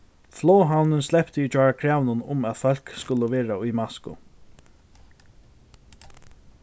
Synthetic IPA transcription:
flɔːɦawnɪnslɛpt̪ɪit͡ʃɔɹakʰɾaːwnʊnʊmæðfœl̥kskʊləʋɛːɹaʊjmaskʊ̰

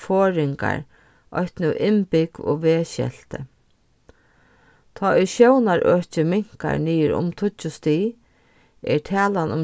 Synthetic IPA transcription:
foːɹɪŋka̰ɹ | ʔɔ̰ht̪nʊʔɪmpɪkʋo̰ːʋeːɕɛ̰l̥t̪ə̰ | t̪ʰɔːɪʃjownaɾʔœːt͡ʃɪmɪŋ̥ka̰ɹniːɪɾʊ̰mt̪ʰʊt͡ʃːʊst̪iː | ɛ̰ɹt̪ʰɛːlanʊm

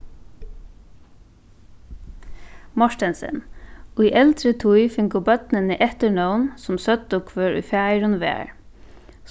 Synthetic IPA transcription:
mɔʃt̪ɛnsə̰nʉʏʔɛlt̪ɾət̪ʰujfɪŋkʊbœt̪nənəʔɛht̪əɳɔʊnsʊmsœt̪ʊkʰʋøːɹʊ̰fæɪɾʊnʋḛːɹ

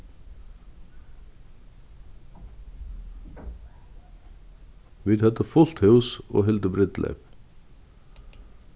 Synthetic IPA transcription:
ʋiːd̪hœt̪əfʊlt̪hʉwso̰ːɦɛɪlt̪əbɾɪd̪lʔɛ̰p

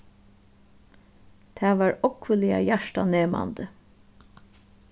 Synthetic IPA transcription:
t̪ʰæːʋɑːɹɔkʰʋəlɪa̰jæʂʈaneːma̰nd̪ə

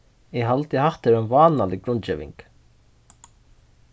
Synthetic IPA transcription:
ɪɦalt̪ɪhaht̪eɾɛnvaːnalɪɡɾʊnt̪t͡ʃɛːʋɪ̰ŋk

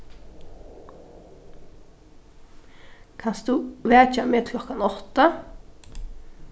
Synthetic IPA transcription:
kʰanst̪uːʋæːt͡ʃameːt̪kʰlɔkanɔt̪ə

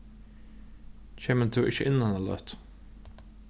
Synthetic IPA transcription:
t͡ʃʰeːmət̪ʰʊʔɪçə̰ʔɪnːanalœ̰ht̪

